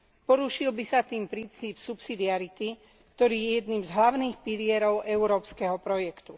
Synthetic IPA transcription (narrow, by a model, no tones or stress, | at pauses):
pɔɾuʃilbisat̪iːmpɾint͡siːpsupsid̪iaɾit̪i | kt̪ɔɾiːjɛjjɛd̪niːmzɦlaʊniːxpilɪɛɾɔʊʔɛuɾɔːpskɛɦɔpɾɔjɛkt̪u